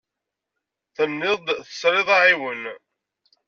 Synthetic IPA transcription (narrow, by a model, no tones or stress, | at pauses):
θənːɪðθə̥sɾɪðˤɑʕiwən